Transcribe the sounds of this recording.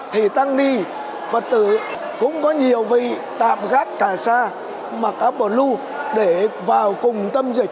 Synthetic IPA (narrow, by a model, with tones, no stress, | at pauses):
t̪ʰi˨˩t̪a˧ŋɗi˧ | və˨˩t̚t̪ɨ˧˩ | kʊ̰˧˥ŋ͡mkɔ˨˦ɲi˨˩əwvḭ˧˨ | t̪a̰ː˧˨mɣaː˦˥t̚kaː˧˩saː˧ | ma˨˩k̚ʔaː˨˥p̚ɓəː˨˩lu˧ | ɗe˧˩vaː˨˩wkʊ˨˩ŋ͡mt̪ə˧mzï˨˩k̟̚